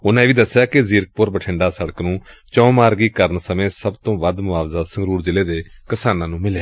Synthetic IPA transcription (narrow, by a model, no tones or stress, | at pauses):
ʊnãeːʋiːd̪əsːjaːkɪziɾk̚pʊɾbəʈʰɪɳɖaːsəɽəknũːt͡ʃɔ̃ːmaːɾɡiːkəɾənsəmẽːsəbt̪õːʋəd̪mʊʋaːʋzaːsəŋɡɾuːɾd͡ʒɪleːd̪eːkɪsaːnãːnũːmɪleː